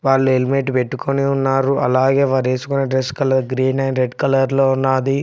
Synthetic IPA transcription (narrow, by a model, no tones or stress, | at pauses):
ʋaːɭːuelimeʈpeʈːukʰoniunːaːɾuʔɐ̰laːɡeːʋaːɾeːsukuneɖɾeskɐlɐɾɡɾiːnɐjnɾeɖkɐlɐɾloːunːaːd̪i